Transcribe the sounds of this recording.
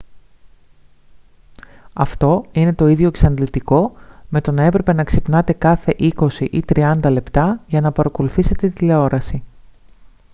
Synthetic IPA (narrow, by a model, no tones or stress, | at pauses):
ɐft̪o̞ine̞t̪o̞iðʝo̞eksɐnlit̪iko̞me̞t̪o̞nɐe̞pɾe̞pe̞nɐksipnɐt̪e̞kɐθe̞ʔiko̞siʔit̪ɾiɐnd̪ɐle̞pt̪ɐʝɐnɐpɐɾɐko̞luθise̞t̪e̞t̪ileo̞ɾɐsi